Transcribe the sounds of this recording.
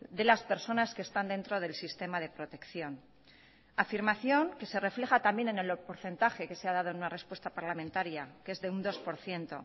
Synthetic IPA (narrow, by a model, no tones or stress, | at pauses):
d̪e̞laspe̞ɾso̞naske̞ːst̪and̪e̞nt̪ɾo̞ð̞e̞lsist̪e̞mað̞e̞pɾo̞t̪e̞kθjo̞n | afiɾmaθjo̞ŋke̞se̞re̞fle̞xat̪ambje̞ne̞ne̞lpo̞ɾθe̞nt̪axe̞ke̞seað̞aðonunare̞spwest̪apaɾlamẽnt̪aɾjakeezðe̞und̪o̞spo̞ɾθje̞nt̪o̞̰